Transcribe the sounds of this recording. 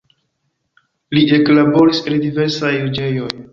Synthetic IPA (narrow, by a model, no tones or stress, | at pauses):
lie̞klabo̞ɾisendive̞ɾsajud͡ʒe̞jo̞j